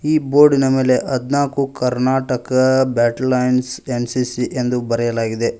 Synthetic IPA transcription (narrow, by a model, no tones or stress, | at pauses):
iːbo̞ːɾɖinɐme̞ːle̞ʔɐd̪naːkukɐɾnaːʈɐkɐbjaːʈɐlɐjnsensisiʔend̪ubɐɾɛjɐlaːɡid̪e̞